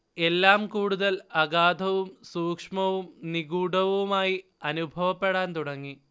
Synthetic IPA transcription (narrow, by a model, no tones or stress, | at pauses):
e̞lːaːmkuːɽuðɐlɐɡaːd̪ʱɐʋumsuːkʂmɐʋumniɡuːɽɐʋɐumaːji | ɐnubʱɐʋɐpːe̞ɽaːnt̪uɽɐŋːi